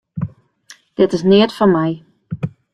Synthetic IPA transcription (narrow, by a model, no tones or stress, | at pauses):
d̥ɪtɪsnɪətfɔnmɛj